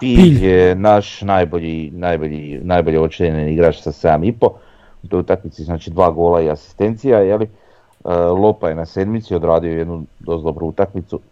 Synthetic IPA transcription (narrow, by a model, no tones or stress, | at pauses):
piːiʎjenaʃnajbo̞ʎinajbo̞ʎinajbo̞ʎeo̞t͡ʃeɲeɲeniɡɾaːt͡ʃsasaamipo̞ | ut̪ojut̪akmit̪siznaːt͡ʃid̪ʋaːɡo̞ːlaiasi̥st̪e̞nt̪sijajeli | əlˠo̞paje̞nase̞d̪mit̪sio̞d̪ɾaːd̪io̞je̞d̪nud̪o̞zlˠobɾuut̪akmit̪su